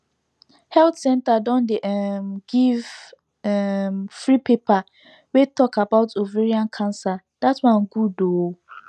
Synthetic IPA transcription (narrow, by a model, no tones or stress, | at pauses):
hɛltsɛ̃ntadɔ̃ndeʔɛmɡiv | ɛmfɹipepa | wetɔkabaʊtoveɹiãnkʰãnsa | d̥atwãnɡudo